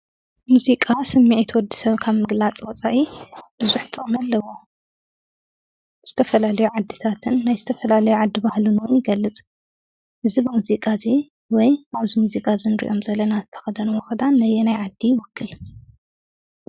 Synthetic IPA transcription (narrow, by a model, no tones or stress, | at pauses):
muzikʼasɨmːiʕit̪ʰwɔd̪ːi̥sɐβkʰaβmɨɡlat͡sʼwɔt͡sʼaʔib̥ɨzuħt̪ʼomɐlːɐwo | z̥ɨt̪ʰɐfɐlalɐjuʕad̪ːit̪ʰat̪ʰɨnːajzɨt̪ʰɐfɐlalɐjuʕad̪ːibahlunɨʔunjɪɡɐlːɨt͡sʼ | ʔɨzibɨmuzikʼazi | wɔjaβzimuzikʼazɨnɾḭʔo̞mzɐlɐnazɨt̪ʰɐ̥xɐd̪ɐnwɔxɐd̪anːɐjɛnajʕad̪ːijɪwɔkʰːɨl